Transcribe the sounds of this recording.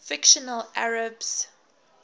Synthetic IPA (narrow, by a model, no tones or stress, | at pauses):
fɪkʃənəlʔaɹəbs